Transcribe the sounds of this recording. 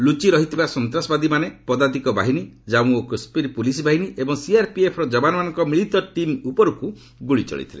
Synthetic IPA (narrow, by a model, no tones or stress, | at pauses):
lut͡ʃiɾɔɦit̪ʰibasɔnt̪ɾasɔbad̪imanepɔd̪ad̪ikɔba̰ɦinid͡ʒamũokuspiɾpulis̬bʱaɦiniʔebɔŋsiaɾpiepʰɔɾɔd͡ʒɔbanɔmanɔŋkɔmiɭit̪ɔʈimupɔɾuku | ɡuɭit͡ʃɔ̰ɭḭt̪ʰile